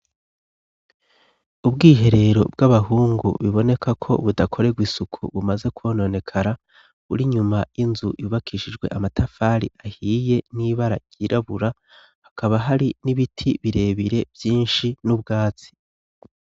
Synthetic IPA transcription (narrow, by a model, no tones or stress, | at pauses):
ubɡiːɦe̞ɾe̞ɾo̞b̚ɡaβaɦuːŋɡṵβiβo̞ne̞kʰakʰo̞̰βudakʰo̞ɾe̞ɡwisukʰṵβumaze̞kuono̞ne̞kʰaɾa | βuɾiɲumajinzujuβakʰiʃid͡ʒɡwe̞̰ʔamatʰafaːɾḭʔahiːje̞niːβaɾa̰ɟ̥iːɾaβuɾa | hakaβaɦaɾiniβitʰiβiɾe̞ːβiɾe̞vjiːnʃinubɡaːt͡si̥